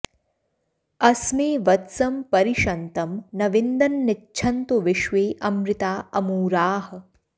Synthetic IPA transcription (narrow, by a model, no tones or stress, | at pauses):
ɐsmeːʋɐt̪sɐmpɐɾiʃɐnt̪ɐmnɐʋɪnd̪ɐnːɪt͡ʃʃʰɐnt̪uʋɪʃʋeːʔɐmɾɪt̪aːɐmuːɾaːɦɐ̆